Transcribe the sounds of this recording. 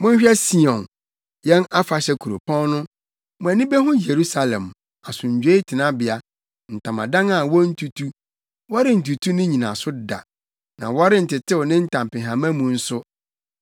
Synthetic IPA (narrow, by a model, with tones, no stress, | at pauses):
mʊ̃˦ɲ˦ɕᶣɛ˦si˦ɔ̃˨n | jɛ̃˦na˦fa˨ɕɛ˦kʰu˨ɾo̰˨pʰɔ̃˦nnʊ̃˦ | mʊ̃˨æ˨nĩ˦be˦ɦʊ̃˦je˨ɾu˦sa˨lɛ̰̃˨m | a˨sʊ̃˨ɲ˨d͡ʑᶣe˦i˦tʰɪ˨nã˦bɪ˨a˨ | n̩˨tʰã˨mã̰˨dã˦ŋa˨wɔ˦n̩˦tʰu˦tʰu˦ | wɔ˦ɾɪ˦n̩˨t̬u˨tʰu˦nɪ̃˦ɲĩ˨nã̰˨sʊ˦da̰˨ | nã̰˨wɔ˦ɾɪ˦n̩˨tɪ˨tʰɪ˦wʊ˨nɪ̃˦n̩˦tʰã˨m˨pɪ̃˨ɦã˨mæ̃˦mũ˨n̩˦sʊ˦